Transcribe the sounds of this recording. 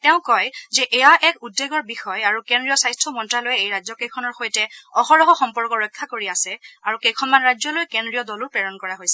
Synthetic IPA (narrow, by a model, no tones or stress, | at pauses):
tɛʊ̃kɔjzɛʔɛjaʔɛkudːeɡɔɹbixɔjaɹukendɹijɔsajstʰɔmɔntɹalojɛejɹajzɔkejkʰɔnɔɹxojtɛɔxɔɹɔɦɔxɔmpɔɹkɔɹɔjkʰːakoɹiasɛaɹukejkʰɔnmanɹajzɔlojkendɹijɔdɔlʊɹpɹɛɹɔnkɔɹaɦojsɛ